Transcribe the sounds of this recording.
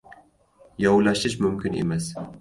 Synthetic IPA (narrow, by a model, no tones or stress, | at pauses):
jɒwlaʃɪʃ̬mʊmkʲɪnḛmas